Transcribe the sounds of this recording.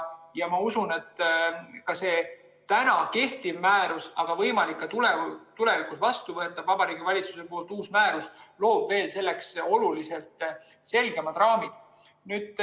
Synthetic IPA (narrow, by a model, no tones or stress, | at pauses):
jɑmɑusune̞t̪ːˑkɑse̞ | t̪ænɑke̞ht̪ivmæːɾusɑɡ̥ɑvɤ̞jmɑlikːɑt̪ulet̪ule̞vikusvɑst̪uvɤet̪ːˑɑbvɑb̥ɑɾiːɡ̥ivɑlʲit̪suse̞po̞ːlt̪uːsmæːɾuslo̞ːb̥ve̞ːlse̞lːe̞kso̞lulise̞lt̪ˑ | se̞lɡ̥e̞mɑt̪rɑːmid̪̥ | nyːd̪̥